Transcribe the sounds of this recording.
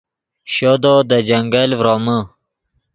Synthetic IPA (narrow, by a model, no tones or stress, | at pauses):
ɕod̪od̪əd͡ʑəŋɡəlvɾomə